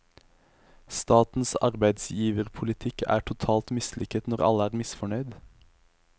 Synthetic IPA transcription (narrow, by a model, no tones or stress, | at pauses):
st̪ɑːt̪n̩sɑʁbæɪd̪sjiːʋəʁpʰʊlɪt̪ʰɪkʰæ̰ːʈʰʊt̪ʰɑːlt̪mɪslʔɪkət̪nɔʁɑ̰ləæːʁmɪsfɔɳœʏd̪